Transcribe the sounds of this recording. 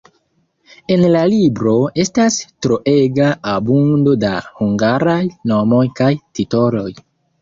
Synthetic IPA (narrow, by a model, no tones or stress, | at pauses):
e̞nlalibɾo̞e̞stastɾo̞ʔe̞ɡaabundo̞dahuŋɡaɾajno̞mo̞jkajtito̞lo̞j